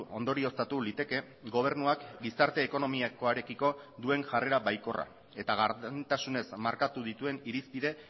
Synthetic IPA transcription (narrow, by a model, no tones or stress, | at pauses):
o̞̰nd̪o̞ɾio̞st̪at̪ulit̪e̞ke̞ | ɡo̞β̞e̞ɾnuakɡisaɾt̪e̞ːko̞no̞miako̞aɾe̞kiko̞ðue̞ŋʝare̞ɾaβajko̞ra̰ | e̞t̪aɣaɾðent̪asune̞smaɾkat̪uðit̪ue̞niɾispiðe̞